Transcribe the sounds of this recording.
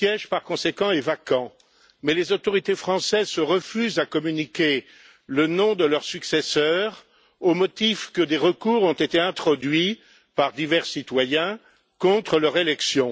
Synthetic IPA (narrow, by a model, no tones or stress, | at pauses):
jɛʒpaʁkɔ̃sekɑ̃ɛvakɑ̃ | mɛlezot̪ɔʁit̪efχɑ̃sɛzsəʁəfyzakɔmynikʲe | lənɔ̃d̪əlœʁsyksɛsœːʁ | omɔt̪ifkəd̪eʁəkuːʁɔ̃t̪et̪eɛ̃t̪χɔd̪ɥi | paʁd̪ivɛʁsit̪wajɛ̃ | kɔ̃t̪χəlœʁelɛksjɔ̃